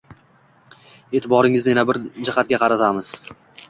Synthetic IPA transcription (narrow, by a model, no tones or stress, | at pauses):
e̞ːt̪ʰɪbɒɾɪŋɪznɪjanabɪɾd͡ʒahat̪̚ɡʲaqʰɑɾat̪ʰamɪz̥